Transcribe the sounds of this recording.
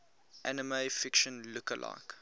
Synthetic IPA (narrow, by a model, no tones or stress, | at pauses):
ʔænəmefɪkʃə̃nlukəlʔa̰ːk